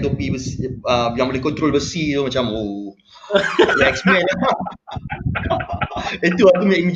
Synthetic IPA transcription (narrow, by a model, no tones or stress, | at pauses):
d̪opibəsiəjãŋbolehkɔnt̪ɾolbəsit̪omat͡ʃamo | lɛksmɛ̃na | it̪uak̪umɲakĩnd͡ʒ